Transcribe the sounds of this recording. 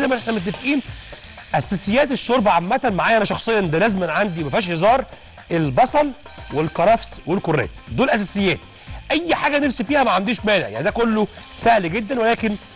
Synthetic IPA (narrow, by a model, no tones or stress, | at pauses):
zæjmæʔeħnæmet̪ːefʔiːnʔæsæsejːæːt̪eʃːoɾbæʕamːæt̪æmaʕaːjʔænæʃɑxsˤejːɑʔnd̪ælæzmænʕand̪imæfhiʃhezɑːɾˤ | ʔelbɑsˤɑl | welkɑɾˤɑfswelkorːæ̰ːt̪d̪oːlʔæs̬æːsejːæːt̪ | ʔæjːħaːɡænefsifiːhæmæʕand̪iːʃmæːnḛʕja̰ʕnid̪ækolːo | sæhlɡed̪ːænwælæːken